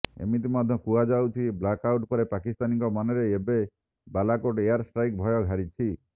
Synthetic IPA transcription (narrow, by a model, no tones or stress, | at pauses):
ḛmit̪̬imad̪ʱjɔkuad͡ʒawt͡ʃʰiblakawʈpɔɾepakist̪aniŋkɔmaneɾeebe | balakoʈeaɾsʈɾajk̚bʱɔjɔɡʱaɾit͡ʃʰi